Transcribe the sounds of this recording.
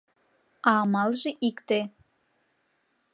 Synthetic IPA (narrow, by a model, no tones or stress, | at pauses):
ɑmɑlˠʒeʔikt̪e